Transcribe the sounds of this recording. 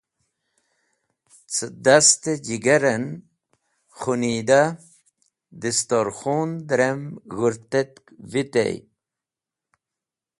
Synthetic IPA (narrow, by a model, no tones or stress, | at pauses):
t͡səd̪ast̪ed͡ʑiɡɐɾen | χunid̪a | d̪ist̪oɾxund̪ɾemɣuɾt̪et̪̚kvit̪ḛj